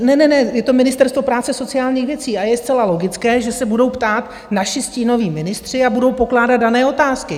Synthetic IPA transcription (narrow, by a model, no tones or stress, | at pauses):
nɛnɛnɛjɛt̪o̞mɪnɪst̪ɛɾst̪vo̞pɾaːt͡sɛso̞t͡sɪaːlɲiːxvjɛt͡siːajɛst͡sɛlalo̞ɡɪt͡skɛːʒɛsɛbudo̞wpt̪aːt̪ | naʃɪsciːno̞viːmɪnɪst̪r̝̥ɪabudowpo̞klaːdad̪̚danɛːo̞t̪aːskɪ